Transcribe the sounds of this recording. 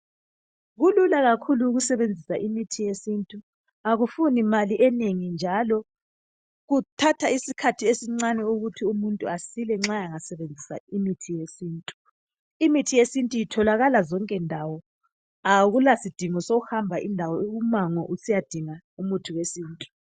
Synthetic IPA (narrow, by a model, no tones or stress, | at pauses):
ɣululaɣakʰuluːɣusɛβend͡zʱisaʔimitʰijesintʼu | aɣufunimaliʔɛneŋind͡ʒʱalɔ | ɣutʰatʰaisikʰatʰiesiŋ͡ǀanɛuɣutʰiumuntʼuasilɛŋ͡ǁajaŋasɛβend͡zʱisa̰imitʰijesiːntʼu | imitʰijesintʼujitʰɔlaɣalazɔŋkʼɛndʱawɔ | aɣulasid̥ʱiŋɔsoɣuhambʱaʔindʱawɔeɣumaŋɔʔusijad̥ʱiŋa | umutʰiwesiːntʼu̥